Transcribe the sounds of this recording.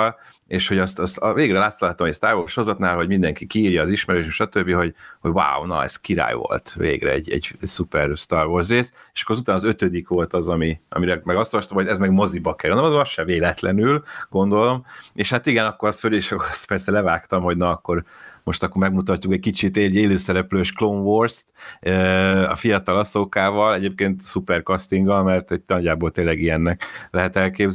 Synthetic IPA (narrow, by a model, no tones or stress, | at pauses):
l | eːʃho̞ɟɒst̪ɒst̪veːɡɾɛlaːt̪solaɦt̪ːɒmɛɛst̪aːrvoːrsho̞zɒt̪naːlɦɒɟmind̪ɛŋkikiːrjɒːziʃmɛɾøːʃeʃɒt̪øbːiho̞ɟhoɟwa̰wnɒ̰ɛ̰z̥kiɾa̰ːjvo̰lt̪vḛːɡrɛ̰ɛ̰ɟːɛ̰ɟɛsupɛrst̪arvoːrsreːst̪eʃɒ̥kːoɾɒzut̪aːnɒzø̞t̪ød̪ikʋo̞lt̪ɒzɒmiɒ̰miɾɛmɛɡɒst̪ovɔʃt̪ɔmhoɛzmɛɡmo̞zibɒkɛɾond̪mɒzɒsʃɛveːlɛt̪lɛnylɡo̞nd̪o̞lo̞meʃhat̪iɡɛnɒkːo̞ɾɒst̪følieʃɒkːoɾɑspɛrsɛlɛvaːkt̪ɒmho̞ɟnɒːkːo̞rmo̞ʃt̪ɒkːormɛɡmut̪ɒcːukɛc̚kit͡ʃit̪eɟeːløːsɛɾɛpløːʃkloɱvorst̪øɒ̰fijɒt̪ɒlɒsokaːvɒlɛɟeːp̚keːnt̪supɛrkɒst̪iŋɡɒlmɛrt̪ɛɟ̪̚ɒɟaːboːlt̪eːlːɛɡijɛnːɛklɛɦɛt̪ɛlkeːbz